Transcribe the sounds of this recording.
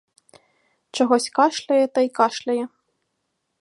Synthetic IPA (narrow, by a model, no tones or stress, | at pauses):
t͡ʂɐɣɔsʲkaʂlʲɐjɛt̪ɐjkaʂlʲɐjɛ